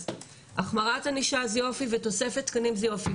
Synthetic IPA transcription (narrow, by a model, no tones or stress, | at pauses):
ʔaχmaʁataniʃazio̞fiveto̞se̞fetkanimziofi